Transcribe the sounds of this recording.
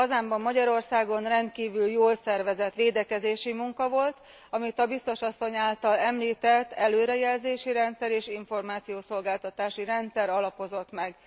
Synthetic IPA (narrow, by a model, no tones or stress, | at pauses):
ɒzaːmbɒmːɒɟɒɾo̞rsaːɡo̞nrɛnt̪kiːvyljoːlsɛrʋɛzɛt̪ʋeːd̪ɛkɛzeːʃimuŋkɒvo̞lt̪ | ɒmit̪ɒbist̪o̞ʃɒsːo̞ɲaːlt̪ɒlɛmliːt̪ɛt̪ːɛløːɾɛjɛlzeːʃiɾɛnt̪sɛɾeːʃiɱfo̞rmaːt̪sijoːso̞lɡaːlt̪ɒt̪aːʃiɾɛnt̪sɛɾɒlɒpo̞zo̞t̪mɛɡ